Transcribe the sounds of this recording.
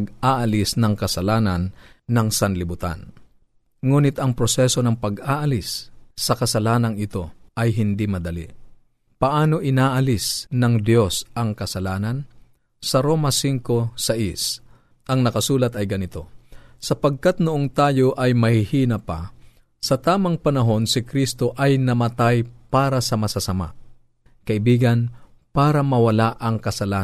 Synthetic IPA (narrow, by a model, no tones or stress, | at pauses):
ɡʔaːʔɐlɪsnɐŋkɐsɐlaːnɐnːɐŋsɐnlɪbʊt̪a̰n | ŋuːnɪt̪ɐŋpɾosɛso̞nɐŋpɐɡʔaːʔɐlɪsːɐkɐsɐlaːnɐŋɪt̪o̞ɐjɦɪnd̪imɐd̪ɐlḭ | pɐʔaːno̞ʔɪnaːʔɐlɪsnɐŋd̪jo̞sʔɐŋkɐsɐlaːnɐn | sɐɾo̞ːmɐsiŋko̞sɐʔis | ʔɐŋnɐkɐsuːlɐt̪ɐjɡɐnɪt̪o̞̰sɐpɐɡ̚kat̪̚noʔoŋt̪aːjo̞ʔɐjmɐhɪhiːnɐpa̰ | sɐt̪aːmɐŋpɐnɐɦo̞nsɪkɾist̪o̞ʔɐjnɐmɐt̪ajpaːɾɐsɐmɐsasɐma̰ʔ | kɐʔɪbiːɡɐn | paːɾɐmɐwɐlaʔɐŋkɐsɐlaː